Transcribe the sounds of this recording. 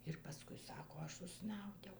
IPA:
ɪr pɐˈskʊɪ ˈsɑːkoː ˈɐʃ ʊʃˈsnɐʊdʲɛʊ

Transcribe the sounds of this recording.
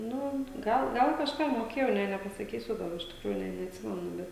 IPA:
ˈnʊ ˈɡɐlˠ ˈɡɐlˠ kɐʃˈkɑː moːˈkʲeːjɛʊ nʲeː nʲɛpɐsɐˈkʲiːsʲʊ ˈɡɐlˠ ɪʃ tʲɪkˈruːjuː nʲeː nʲɛɐtʲˈsʲɪmʲɛnʊ ˈbʲɛt

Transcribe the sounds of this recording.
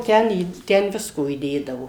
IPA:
ˈtʲɛn iː ˈtʲɛn ˈʋʲɪskoː iːˈdʲeːdɐʋoː

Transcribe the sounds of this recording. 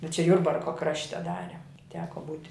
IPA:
bʲɛt t͡ʃʲɛ ˈjʊrbɐrkoː ˈkrɑːʃʲtʲɛ ˈdɑːrʲɛ ˈtʲæːkoː ˈbuːtʲɪ

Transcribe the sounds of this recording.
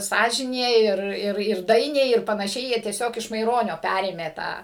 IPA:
ˈsɑːʒʲɪnʲeː ɪr ˈɪr ɪr ˈdɐɪnʲɛɪ ɪr pɐnɐˈʃʲɛɪ ˈjiɛ tʲiɛˈsʲoːk ɪʃ mɐɪˈroːnʲoː ˈpʲærʲeːmʲeː ˈtɑː

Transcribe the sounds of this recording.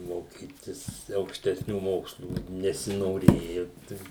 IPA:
moːˈkʲiːtʲɪs ɐʊkʃʲtʲɛsʲˈnʲuː ˈmoːkslˠuː nʲɛsʲɪnoːˈrʲeːjʊ tɐɪ

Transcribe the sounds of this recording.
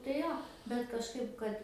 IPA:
tɐɪ ˈjoː bʲɛt kɐʃˈkɐɪp ˈkɐt

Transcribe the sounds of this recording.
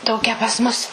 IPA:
ˈtoːkʲæː pɐs mʊs

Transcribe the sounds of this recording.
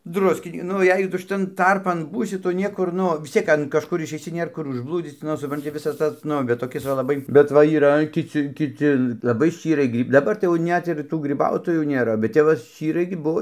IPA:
ˈdrʊsʲkʲɪ ˈnʊ ˈjɛɪ tʊ ʃʲɪˈtɐn ˈtɐrpɐn ˈbuːsʲɪ ˈtʊ ˈnʲiɛkʊr ˈnʊ ʋʲɪs ˈt͡sʲiɛk ɐn kɐʃˈkʊr ɪʃʲɛɪˈsʲɪ ˈnʲeːr ˈkʊr ʊʒˈblˠuːd͡zʲiːt͡s ˈnʊ sʊprɐnʲˈtʲɪ ˈʋʲɪsɐs ˈtɐs ˈnʊ bʲɛt toːˈkʲɪs ʋɐ lˠɐˈbɐɪ bʲɛt ˈʋɐ iːˈrɐ kʲɪˈt͡sʲɪ kʲɪˈt͡sʲɪ lˠɐˈbɐɪ ˈʃʲt͡ʃʲiːrɐɪ ˈɡrʲiː dɐˈbɐr tɐɪ jɛʊ ˈnʲɛt ɪr ˈtuː ɡrʲɪˈbɐʊtoːjuː nʲeːˈrɐ bʲɛt ˈtʲɛp ʋɐ ˈʃʲt͡ʃʲiːrɐɪ ɡʲɪ ˈbuɔ

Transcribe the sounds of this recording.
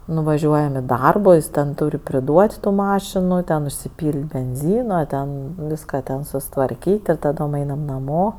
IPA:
nʊʋɐˈʒʲuɔjɛm ɪ ˈdɐrboː ˈjɪs tʲɛn ˈtuːrʲ pʲrʲɪˈduɔtʲ ˈtuː ˈmɑːʃʲɪnʊ ˈtʲɛn ʊʃʲsʲɪˈpʲiːlʲtʲ bʲɛnʲˈzʲiːnɐ ˈtʲɛn ˈʋʲiːskɐ tʲɛn sʊsʲɪtʋɐrʲˈkʲiːtʲ ɪr tɐˈdoːm ˈɐɪnɐm nɐˈmoː

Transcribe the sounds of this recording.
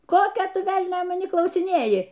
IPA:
ˈkoːkʲoː ˈtʊ ˈʋʲɛlʲnʲoː mɐˈnʲiː klˠɐʊsʲɪˈnʲeːjɪ

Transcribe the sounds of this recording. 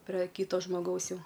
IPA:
pʲrʲɛ ˈkʲiːtoː ʒmoːˈɡɐʊs ˈjɛʊ

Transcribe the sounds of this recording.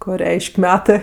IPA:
ˈkoː ˈrʲɛɪʃʲkʲ ˈmʲæːtɜ

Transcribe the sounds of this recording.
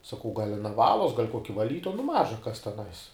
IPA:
sɐˈkɐʊ ɡɐlʲ ɐˈnɐ ˈʋɑːlˠoːs ɡɐlʲ ˈkoːkʲɪ ʋɐˈlʲiːtoːjɛ nʊ ˈmɑːʒɐ kɐs tʲɛˈnɐɪs

